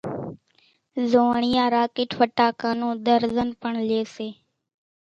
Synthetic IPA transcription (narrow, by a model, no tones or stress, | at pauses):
zoːɳɪjãːɾaːkɪːʈʰfəʈaːkaːnũːd̪əɾzənpəɳleːseː